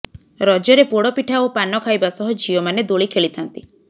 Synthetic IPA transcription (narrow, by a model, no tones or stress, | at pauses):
ɾɔd͡ʒɔɾepoɽɔpiʈʰaopanɔkʰajbasɔɦɔd͡ʒʱiɔmaned̪oɭikʰeɭit̪ʰant̪i